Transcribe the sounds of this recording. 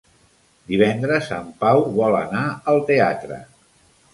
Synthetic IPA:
d̪iβ̞ɛnd̪ɾəsːa̰mpawβɔlə̰naəlˠt̪ea̰t̪ɾə̰

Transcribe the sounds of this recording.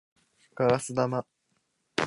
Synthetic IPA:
kaɾasɨd̪ama

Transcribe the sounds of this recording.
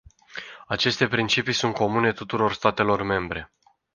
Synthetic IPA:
at͡ʃe̞st̪e̞pɾint͡ʃipijsunt̪̚ko̞mune̞t̪ut̪uɾo̞rst̪at̪e̞lo̞rme̞mbɾe̞

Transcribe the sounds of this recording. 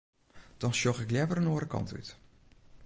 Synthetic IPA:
d̥ɔnʃjoxɪkljɛvərənoːɾəkɑ̰nty̰t

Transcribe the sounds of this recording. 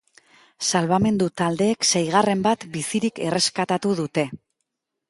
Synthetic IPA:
salβame̞nd̪ut̪ald̪e̞ːkse̞jɣ̞are̞mbat̪bisiɾike̞̰re̞skat̪at̪uðut̪e̞

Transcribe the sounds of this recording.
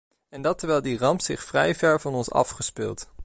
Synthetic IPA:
ɛndɑtəɹʋɛjlˠdirɑmpsɪχfrɛjvɛɹvɑnɔnsɑ̰fχəspɪ̰lˠt

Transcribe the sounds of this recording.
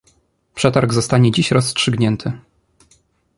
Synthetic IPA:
pʂɛt̪aɾɡzɔst̪aɲɛd͡ʑiɕɾɔstʂɘɡɲɛnt̪ʰɘ

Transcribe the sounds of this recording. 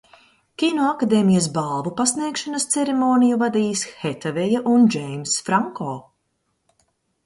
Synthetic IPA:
kʲinɔːakad̪eːmijɐs̬balˠvupasniɛkʃanɐst̪sɛɾemoːnijuvad̪iːsxɛt̪avɛjaʔund͡ʒɛjmsfɾaŋkɔː

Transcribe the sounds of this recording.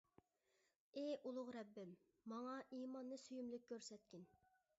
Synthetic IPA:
eʔulˠʊʁɾɛbːɪmː | ɑŋɑʔiːmɑnːɨsyjymlɪkʲkʰʲːøɾsɛt̪̚kʲin

